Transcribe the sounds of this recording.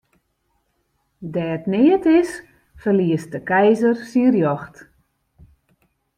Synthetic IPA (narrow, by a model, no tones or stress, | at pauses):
dɛətnɪətɪs | fərliəst̚dəkɛjzərsiərjɔxt